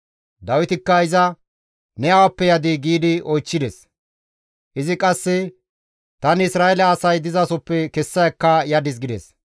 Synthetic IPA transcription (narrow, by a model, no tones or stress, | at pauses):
d̪ɐwɪt̪ɪkːɐɪzɐ | nɛɐwɐpːɛjɐd̪ɪɡiːd̪ɪɔjt͡ʃːɪd̪ɛs | ʔɪzɪkʼɐsːɛ | t̪ɐnɪsɾaːɛlɐːsɐjd̪ɪzɐsɔpːɛkɛsːɐjɐkːɐjɐd̪ɪs̬ɡɪd̪ɛs